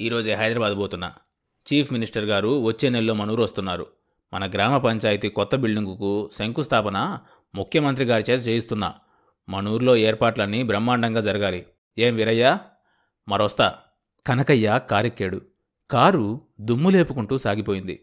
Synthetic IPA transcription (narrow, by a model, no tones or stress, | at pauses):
iːɾo̞ːd͡ʒeɦɐjd̪ɾɐbaːd̪boːt̪unːa̰ | t͡ʃiːpʰminisʈɐɾɡaːɾuʋɐt͡ʃːe̞ːnello̞ːmɐnuːɾuʋɐst̪unːaːɾṵ | mɐnɐɡɾaːmɐpɐɲt͡ʃaːjit̪ikɔt̪ːɐbiɭːiŋɡukusɐŋkust̪ʰaːpɐnɐ | mukʰjɐmɐnt̪̬ɾiɡaːɾit͡ʃeːt̪ɐt͡ʃeːjist̪unːa̰ː | mɐnuːɾlo̞ːeːɾpaːʈlɐnːibɾɐmːaːɳɖɐŋɡaːd͡ʒɐɾɐɡaːli | e̞ːmʋiɾɐjːaː | mɐɾɔst̪aː | kɐnɐkɐjːaːkaːɾekːeːɽṵ | kaːɾud̪umːule̞ːpukuɳʈuːsaːɡipoːjind̪ḭ